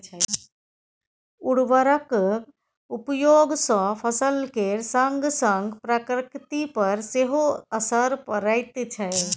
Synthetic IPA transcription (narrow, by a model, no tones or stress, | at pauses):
ʊɽʋəɾək | upjoːɡsɔ̃pʰəsəlkeɾsəŋɡsə̃ŋɡpɾəkɾkt̪ipəɾseɦoəsəɾpəɾəɪt̪t͡ʃʰəe